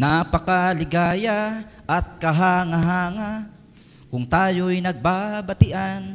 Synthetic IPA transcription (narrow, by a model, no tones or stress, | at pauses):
napɐkalɪɡaːjaʔɐt̪̚kɐɦaŋaɦaːŋa | kʊŋt̪aːjojnɐɡ̚babɐt̪ɪʔan